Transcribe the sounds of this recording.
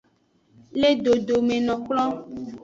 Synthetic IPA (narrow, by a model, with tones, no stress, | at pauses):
le˦ɖo˨ɖo˨mẽ˨nɔ̃˨k͡plɔ˦